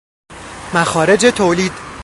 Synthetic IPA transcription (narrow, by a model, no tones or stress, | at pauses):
mæxɒːɾe̞d͡ʒe̞t̪ʰoːliːd̪̥